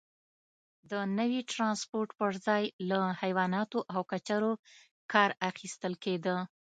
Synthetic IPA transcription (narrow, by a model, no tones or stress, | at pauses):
d̪ənəwiʈɾɑnspoɾʈpəɾzɑjlahajwɑnɑt̪oʔawkat͡ʃaɾo | kɑɾaxist̪əlked̪ə